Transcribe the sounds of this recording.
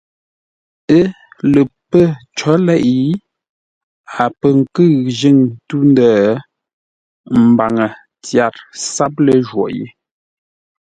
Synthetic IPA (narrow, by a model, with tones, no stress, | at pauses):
ə˦ | lə˨pə˦˨t͡ʃɔ˨˦lɛ˦˨ʔi˨˦ | a˨pə˨ŋ̩˨kɨ˦˨ʒə˦˨ŋtu˦ndəː˦˨˦ | m̩˨ba˨ŋə˨ | tja˨ɾsa˦p̚lə˨ʒwɔ̰˨jḛ˦